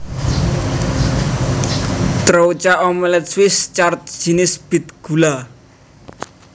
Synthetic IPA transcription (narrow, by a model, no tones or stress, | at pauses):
t̪ɾout͡ʃaʔomɛlɛt̪swɪst͡ʃart̪̚d͡ʒ̥i̤nɪsb̥i̤t̪̚ɡ̥ula